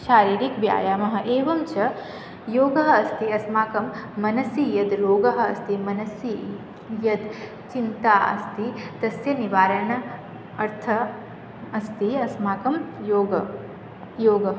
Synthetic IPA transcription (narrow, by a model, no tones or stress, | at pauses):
ʃaːɾiːɾikʋja̰ːjaːmɐɦɐ̆ʔeːʋɐmt͡ʃɐ | joːɡɐɦɐɐst̪iɐsmaːkɐmːɐnɐsijɐd̪ɾoːɡɐɦɐ̆ɐst̪imɐnɐsi | jɐd̪ | t͡ʃint̪aːʔɐ̰st̪id̪̥ɐsjɐniʋaːɾɐɳɐ | ɐɾt̪ʰɐ | ɐst̪iɐsmaːkɐmjoːɡɐ | joːɡɐɦ